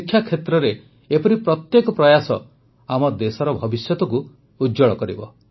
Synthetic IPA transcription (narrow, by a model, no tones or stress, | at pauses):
kʰːjakʰːet̪ɾɔɾe | epɔɾipɾɔt̪jekɔpɾɔjasɔ̰ | amɔd̪esɔɾɔbʱɔbisjɔt̪ɔku | ud͡ʒɔɭɔkɔɾḭbɔ̰